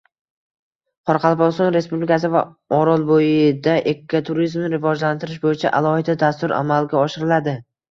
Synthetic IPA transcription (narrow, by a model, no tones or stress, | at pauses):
qʰɒɾɑqʰɑlˠpɒsɒnɾe̞spublɪkʲas̬ɪva | ɒɾɒlˠbojɪd̪aʔekʲʰːat̪ʰʊɾizmnɪɾɪvɒd͡ʒlant̪ʰɪɾɪʃbojɪt͡ʃʰa̰ʔalˠɒhɪd̪ad̪ast̪ʊɾʔa̰malɡʲaɒʃɪɾɪlad̪ɪ